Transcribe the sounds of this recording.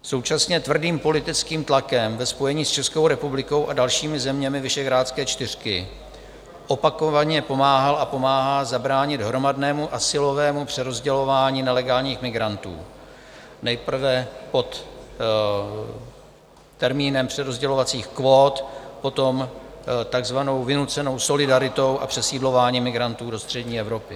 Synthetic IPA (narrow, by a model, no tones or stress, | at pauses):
so̞wt͡ʃasɲɛt̪vr̩diːmpo̞lɪt̪ɪt͡skiːmt̪lakɛmvɛspo̞jɛɲiːst͡ʃɛsko̞wɾɛpublɪko̞wʔadalʃiːmɪzɛmɲɛmɪvɪʃɛɣɾaːt̪t͡skɛːt͡ʃt̪ɪr̝̥kɪ̰ | ʔo̞pakovaɲɛpo̞maːɦalʔapo̞maːɦazabɾaːɲɪd̪ɦɾo̞madnɛːmuʔasɪlo̞vɛːmupr̝̥ɛɾo̞zɟɛlo̞vaːɲiːnɛlɛɡaːlɲiːxmɪɡɾant̪ṵː | nɛjpr̩vɛpo̞t̪ | ɛɾmiːnɛmpr̝̥ɛɾo̞zɟɛlo̞vat͡siːxkvo̞ːt̪po̞t̪o̞mt̪aɡzvano̞wvɪnut͡sɛno̞wso̞lɪdaɾɪt̪o̞wʔa̰pr̝̥ɛsiːdlo̞vaːɲiːmɪɡɾant̪uːdo̞st̪r̝̥ɛɟɲiːɛvɾo̞pɪ